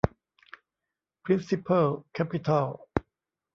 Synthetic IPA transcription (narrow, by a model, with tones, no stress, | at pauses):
pʰɾi˦˥nsi˧pʰa˥lkʰɛ˦˥pit̪ʰa˧l